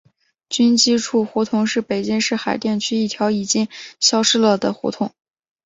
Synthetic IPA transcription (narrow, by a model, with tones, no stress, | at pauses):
t͡ɕy˥nt͡ɕi˥ʈ͡ʂʰu˥˩xu˧˥t̪ʰʊ˧˥ŋʂɻ̩˥˩pe˨˩ɪt͡ɕi˥ŋʂɻ̩˥˩xa˨˩ɪt̪jɛ˥˩nt͡ɕʰy˥i˥˩t̪ʰjɑ˧˥ʊi˨˩t͡ɕi˥ŋɕjɑ˥ʊʂɻ̩˥lə˧˩d̪ə˩xṵ˧˥t̪ʰʊ˧˩˦ŋ